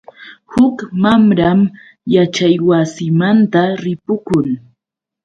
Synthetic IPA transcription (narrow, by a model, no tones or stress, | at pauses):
hʊkmamɾam | jat͡ʃajwasɪmant̪aɾɪpʊkʊŋ